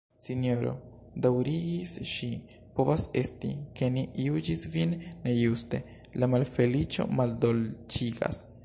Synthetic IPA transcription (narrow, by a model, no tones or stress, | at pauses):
sinijo̞ɾo̰ | dawɾiɡisʃi | po̞vase̞stḭke̞niiud͡ʒisvinːe̞juste̞ | lamalfe̞lit͡ʃo̞̰maldolt͡ʃiɡa̰s